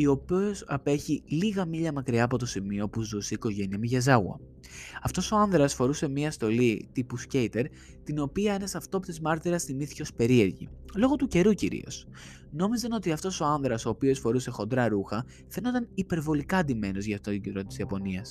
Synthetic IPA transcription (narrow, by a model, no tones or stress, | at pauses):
io̞piosɐpe̞çiliɣɐmiʎɐmɐkɾiɐːpo̞t̪o̞simio̞puzuseiko̞ʝe̞niɐmiʝɐzɐɣwɐ̰ | ɐft̪o̞so̞ɐnðɾɐsfo̞ɾuse̞miɐst̪o̞lit̪ipuscejt̪e̞ɾ | t̪ino̞piɐenɐsɐft̪o̞pit̪ezmɐɾt̪iɾɐsθiniθi̥co̞spe̞ɾie̞ɾʝḭlo̞ɣo̞t̪uce̞ɾucḭɾḭo̞̰s | no̞mizɐno̞t̪iɐft̪o̞so̞ɐnðɾɐso̞ːpio̞sfo̞ɾuse̞xo̞nd̪ɾɐɾuxɐ | θe̞nod̪ɐnipe̞ɾvo̞likɐd̪ime̞no̞zʝɐfot̪ot̪oɟnd̪ɾot̪t̪izjɐpo̞niɐs